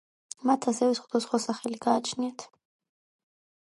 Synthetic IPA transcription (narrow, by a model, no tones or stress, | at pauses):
mat̪ʰasɛvɛsχud̪ɔsχwasaχɛliɡ̥aːt͡ʃʰniat̪ʰ